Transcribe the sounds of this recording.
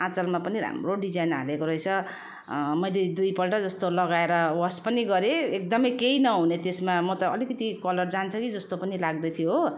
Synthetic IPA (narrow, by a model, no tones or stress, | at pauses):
ãt͡sʌlmapʌniɾa̰mroɖid͡zajna̰lekoɾʌjt͡sʰʌ | mʌjled̪ujpʌlʈʌd͡zʌst̪olʌɡaeɾʌwʌspʌniɡʌɾeek̚d̪ʌmʌjkeinʌɦunet̪esmamʌt̪ʌːlikʌt̪ikʌlʌrd͡zant͡sʰʌkid͡zʌst̪opʌnilaɡ̚d̪ʌt̪ʰijo